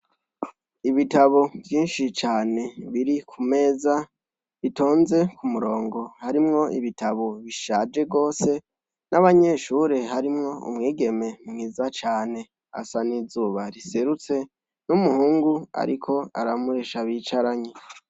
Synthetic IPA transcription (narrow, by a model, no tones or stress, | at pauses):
iβitaβo̞vjiːnʃit͡ʃaːne̞βiɾikʰume̞ːza | βito̞ːnze̞kʰumuɾo̞ːŋɡo̞haɾimŋo̞ʔiβitaβo̞βiʃaːd͡ʒe̞ɡo̞ːse̞ | naβaɲe̞ʃuːɾe̞ɦaɾimŋo̞ṵmŋiːɡe̞me̞mŋiːzat͡ʃaːne̞ | a̰sanizuːβaɾise̞ɾut͡se̞ | numuhuːŋɡua̰ɾikʰo̞a̰ɾamuɾe̞ʃaβiːt͡ʃaɾaɲe